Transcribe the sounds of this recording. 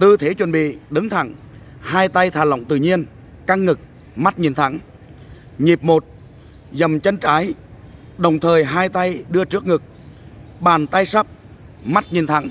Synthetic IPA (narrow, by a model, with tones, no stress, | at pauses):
t̪ɨ˧˩t̪ʰe˨˦t͡ɕwə˨˩nɓḭ˧˨ɗɨ˨˦ŋt̪ʰa̰˧˩ŋ | haː˧jt̪a˧jt̪ʰaː˨˩lə̰˧˨wŋ͡mt̪ɨ̰˧˨ɲi˧ən | ka˧ŋːɨ˨˩k̚ | ma˦˥t̚ɲi˨˩nt̪ʰa˧˩ŋ | ɲi˨˩p̚mo˨˩t̚ | zə˨˩mt͡ɕə˧nt͡ɕaː˨˦j | ɗə˨˩wŋ͡mt̪ʰəː˨˩jɦaː˧jt̪a˧jɗɨ˧ət͡ɕɨ˦˥ək̚ŋɨ˨˩k̚ | ɓaː˨˩nt̪a˧jsə˦˥p̚ | ma˦˥t̚ɲi˨˩nt̪ʰa̰˧˥ŋ